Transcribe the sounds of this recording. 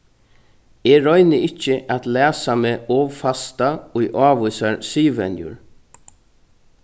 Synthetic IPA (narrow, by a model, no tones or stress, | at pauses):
eːɹɔjnɪʔɪt͡ʃːəʔat̪læːsameːɔːʋfast̪aʊjʔaːʋʊjsaɹsiːʋɛ̰njʊ̰ɹ